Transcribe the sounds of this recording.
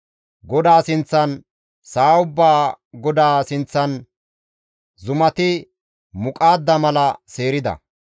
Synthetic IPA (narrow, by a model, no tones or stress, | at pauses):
ɡɔd̪aːsɪnt͡sːɐn | saːʊbːaː | ɡɔd̪aːsɪnt͡sːɐn | zʊmɐt̪ɪ | mʊkʼaːd̪ːɐmɐlɐseːɾɪd̪ɐ̰